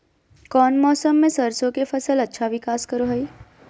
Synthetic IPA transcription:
kɔːnmɔːsəmːẽsəɾsõkefʰɐsəlɐtːʃʰaʋɪkaːskəɾoɦəi

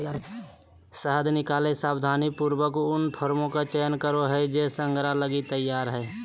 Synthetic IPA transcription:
səɦəd̪nɪkaːlesaːbd̪ʱaːnipuɾwəkʊnpʰoːɾmõkat͡ʃejənkəɾoɦɛd͡ʒesə̃ŋɡɾaləɡit̪əjːaːɾɦɛː

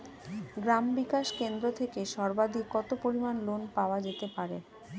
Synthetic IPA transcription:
ɡɾambikaʃkend̪ɾot̪ʰekeʃɔɾbad̪ʱikɔt̪opoɾimanlonpaoad͡ʑet̪epaɾḛ

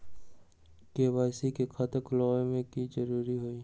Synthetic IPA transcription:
keːwaːsikekʰat̪əklɔːemẽkid͡ʒɐɾuːɾiɦoiː

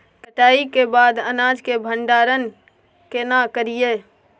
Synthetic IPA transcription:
kəʈaːikebaːd̪ənaːd͡ʒkebʱə̃ɳɖaːɾən | kenakəɾijeː

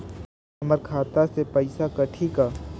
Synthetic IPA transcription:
məɾkʰaːt̪asepɐɪsakɐʈʰikaː

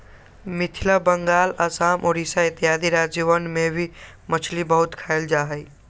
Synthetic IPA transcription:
mɪt̪ʰiləbəŋɡaːləsaːmʔoɾisaɪt̪ijaːd̪iɾad͡ʒʋənmebʱi | mət͡ʃʰlibəɦut̪kʰaɪld͡ʒaːɦəj

